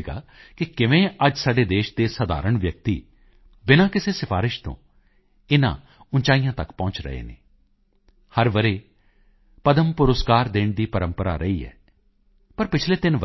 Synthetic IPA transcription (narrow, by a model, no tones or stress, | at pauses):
ɡa̰ːkɪkɪʋẽːəd͡ʒsaːɖeːd̪eːʃd̪eːsəd̪a̰ːɾəɳʋjək̚t̪ḭː | bɪnãːkɪseːsɪpʰaːɾɪʃt̪õ̰ː | ɪnã̰ː | ʊnt͡ʃaːijãːt̪əkpɔ̃ːt͡ʃɾə̰ɦḛːnḛː | həɾʋəɾeː | pəd̪əmpʊɾəskaːɾd̪eːɳd̪iːpəɾəmpəɾa̰ːɾə̰iːɦɛ̰ː | pəɾpɪt͡ʃʰleːd̪ɪnʋ